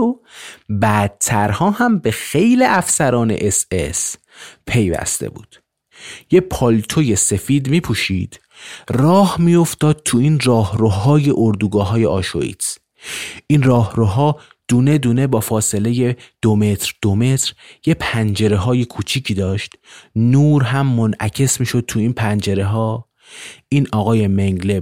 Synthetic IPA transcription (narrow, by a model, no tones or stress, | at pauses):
obæd̪̚t̪ʰæɾhɒːhæmbe̞xe̞jliʔæfsæɾɒːne̞̰ʔesḛs | pʰe̞jvæ̰st̪ḛbṵːd̪̥ | je̞pʰɒlt̪ʰoje̞se̞fiːd̪miːpʰuːʃid̪̥ | rɒːhmijo̞ft̪ɒːd̪̥̚t̪ʰuiːnrɒːhɾoɦɒːjeʔoɾd̪uːɡɒːɦɒːje̞ʔɒːʃo̰ḭːt̪s | ʔinrɒːhɾoɦɒː | d̪̥uːne̞d̪uːne̞bɒːfɒːse̞le̞je̞d̪̥ome̞t̪ʰɾd̪̥ome̞t̪ʰɾje̞pʰænd͡ʒe̞ɾe̞ɦɒːje̞kʰut͡ʃʰiːcʰiːd̪ɒːʃt̪nuːɾɦæmːonʔæcʰe̞smiːʃo̞d̪̥̚t̪ʰuiːnpʰænd͡ʒe̞ɾe̞ɦɒː | ʔiːnɒːɣɒːje̞meŋɡle̞